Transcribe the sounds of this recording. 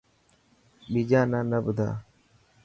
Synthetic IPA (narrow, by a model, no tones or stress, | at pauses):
ɓid͡ʒaːnaːnəɓʊd̪ʱa̰ː